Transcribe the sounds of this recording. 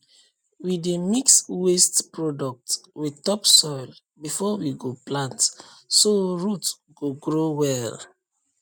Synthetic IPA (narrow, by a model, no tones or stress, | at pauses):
widemikswestpɹɔdɔk̚twitɔpsɔɪl | bifɔwiɡoplãnt | soɹut | ɡ̥oɡɹowɛl